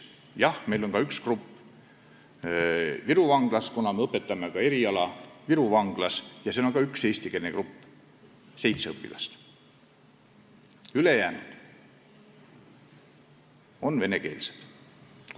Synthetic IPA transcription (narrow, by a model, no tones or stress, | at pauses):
jɑhme̞jlo̞nkɑykskrupː | viɾuvɑŋɡ̥lɑskunɑmeɤpːe̞t̪ːˑɑmekɑe̞ɾiɑlɑviɾuvɑŋɡ̥lɑsjɑseːo̞nkɑykse̞ːst̪ike̞lnekrupː | se̞jt̪seɤpːˑḭlʔɑ̰st̪ | ylejæːnud̪̥ | o̞nve̞ne̞ke̞̰ːlse̥d̪̥